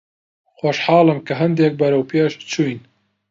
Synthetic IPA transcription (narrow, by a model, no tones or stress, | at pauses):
xoʃħɑːlɨmkɐɦɐnd̪eːk̚bɐɾɐwpʰeːʃt͡ʃʰujn